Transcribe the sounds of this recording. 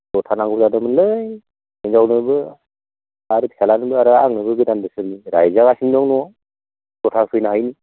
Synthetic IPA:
tɔtʰanaŋɡɯwzadɯmɯnlɯj | inzawnɯbɯ | aɾɯtʰialanɯbɯaɾɯaŋnɯbɯɡɯdandɯsɯniɾajzaɡasiŋdɔŋnɔ | tɔtʰasʰɯjnaɦajni

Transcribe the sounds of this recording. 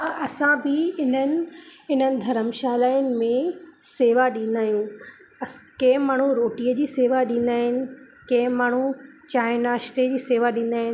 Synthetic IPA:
ɐsãbɪɪnənɪ̆ɪn̤ənɪ̆d̪ʱɐɾəmʃaːlaːɪnɪ̆mẽseːʋaɗĩn̆d̪aːɦjũ | ɐkẽɦmaːɳ̤uɾoːʈiəd͡ʑiːseːʋaɗĩːn̆d̪aːɦɪnɪ̆ | kɐ̃ɦmaːɳ̤u | t͡ɕaːɪnaːʃt̪ed͡ʑiːseːʋaɗĩːn̆d̪aːɦɪn

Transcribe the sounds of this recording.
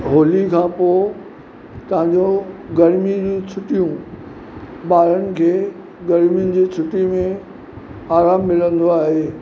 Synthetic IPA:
ɦoːlikʰãːpoː | t̪ɐʋ̤ãɲ̆d͡ʑoɡɐɾmid͡ʑũt͡ɕʰʊʈijũ | ɓaːɾənɪ̆kʰeː | ɡɐɾmiʊnɪ̆d͡ʑiːt͡ɕʰʊʈimẽ | aːɾaːmːɪlə̃nd̪oaːɦeː

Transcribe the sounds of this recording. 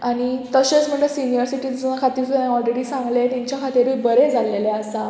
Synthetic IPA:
aɽ̃it̪əɕet͡sm̤əɳʈəsinijəɾsiʈid͡znakʰat̪iɾfãɔlɾeɽiːsãŋɡlet̪jaɲt͡ɕjakʰat̪iɾʋibəɾed͡zʱaleleasa

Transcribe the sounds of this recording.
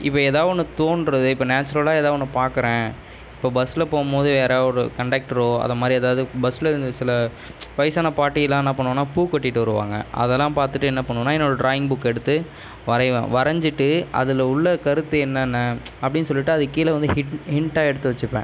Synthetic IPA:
ɪpːoːeːðaːʋɔnːɯt̪oːɳɖɾɐðɯɪpːoːnaːt͡ʃːɐɾɐlaːɛːðaːʋɔnːɯpaːɾkɯɾẽː | ɪpːoːbɐsɪlɐpoːmboːðɯʋeːɾeːɔɾɯkɐɳɖeːk̚ʈɪɾoːɐ̰ðɐmaːd̪ɾiɛðaːʋɯðɯbɐsɪlɐɪnd̪ɐsɪlɐ | ʋɐɪsaːnɐpaːʈːɪjɛlːãːɛnːɐpɐɳːɯʋɐ̃nːaːpuːkːɔʈːɪʈːɯʋɐɾɯʋa̰ːŋɡɐ̰ʔɐ̰ðɛlːãːpaːɾt̪ɯʈːɯɛnːɐpɐɳːɯʋɐ̃nːaːɪɛnːoːɽɐɖɾaːjɪŋɡbʊkːɛɽɯt̪ːɯ | ʋɐɾɐɪʋɐ̰̃ːʋɐɾɐɲd͡ʒɯʈːɯʔɐ̰ðɯlɐʊɭːɐkɐɾɯt̪ːɯɛnːɐnːɐ | ɐpːɐɽɪnːɯsɔlːɪʈːɯɐðɯkiːlɐʋɐnd̪ɯhɪhɪɳʈːaːɛɽɯt̪ːɯʋɐt͡ʃːɯpːḛ̃ː

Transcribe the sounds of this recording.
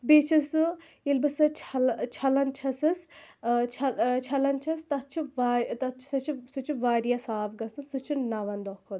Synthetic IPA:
bet͡ʃʰɐsu | ilbɐsɨt͡ʃʰɐlt͡ʃʰɐlɐnt͡ʃʰɐsɐst͡ʃʰɐt͡ʃʰɐlɐnt͡ʃʰɐst̪ɐt̪̚t͡ʃʰiʋaɾt̪ɐt̪t͡ʃʰi̥sɐt͡ʃʰisut͡ʃʰuʋaːɾijasaːbɡɐsɨnsut͡ʃʰunɐʋɐnd̪ɔkʰod̪

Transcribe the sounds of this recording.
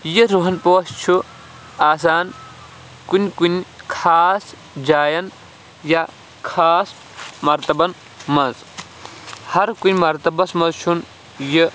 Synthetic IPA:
jiɾuɦɐnpoːst͡ʃʰu | aːs̬aːn | kunʲkunʲkʰaːs | d͡ʒaːjɐn | ja | kʰaːs | mɐɾt̪ɐbɐn | mɐnz | hɐɾkunʲmɐɾt̪ɐbɐsmɐnzt͡ʃʰun | jə

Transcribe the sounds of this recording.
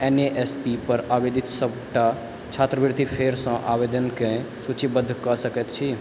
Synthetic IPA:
eneʔespipəɾabed̪it̪səbʈa | t͡ʃʰat̪ɾəbiɾt̪ipʰeɾsə̃ʔabed̪ənkẽ | sut͡ʃibəd̪ʱːkəsəkɛt̪t͡ʃʰi

